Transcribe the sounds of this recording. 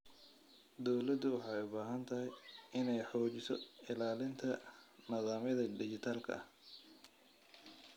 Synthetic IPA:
d̪ɔwlɐd̪ʊwɑħɑːɛjʊbaːɦɐnt̪ʰɐɦɛjɪnɛjħɔːt͡ʃɪsɔ̰ɪlaːlɪnt̪ʰɐnɐðaːmɐðɐd̪ɪt͡ʃɪt̪ʰaːlkʰɐ̰ʔɐ̰h

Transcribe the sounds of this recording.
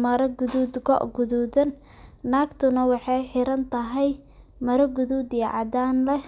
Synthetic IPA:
mɐɾɐɡʊðuːd̪ɡɔ̰ʔɡʊðuːðɐnː | aːɡt̪ʰʊnɐwɑħɑjħɪɾɐnt̪ʰɐɦɛj | mɐɾɐɡʊðuːd̪iɐʕɑ̰d̪aːnlɛ

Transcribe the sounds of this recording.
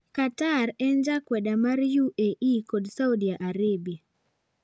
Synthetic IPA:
kataɾɛnd͡ʒakwɛdamaɾjuʔeʔikodsaudijaʔaɾebia

